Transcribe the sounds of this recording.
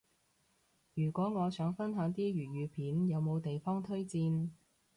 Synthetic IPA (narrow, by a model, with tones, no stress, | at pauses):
jyː˨˩kʷɔː˨˥ŋɔː˨˧sœː˨˥ŋfɐ˥nɦœː˨˥ŋt̪iː˥jyː˨˩jyː˨˧pʰiː˨˥njɐ˨˧wmo˨˧wt̪e˨jfɔː˥ŋt̪ʰɵ˥ɥt͡siː˧n